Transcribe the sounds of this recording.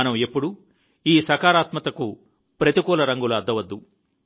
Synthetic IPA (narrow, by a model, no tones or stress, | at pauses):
ɐnɐmepːuɽu | iːsɐkaːɾaːt̪mɐt̪ɐku | pɾɐt̪ikɔːlɐɾɐŋɡulɐɐd̪ʱːɐʋɐd̪ːu